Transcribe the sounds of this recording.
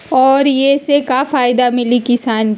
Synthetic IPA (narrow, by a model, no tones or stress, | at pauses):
ɔːɾjesekafaːɪd̪amɪlikɪsaːn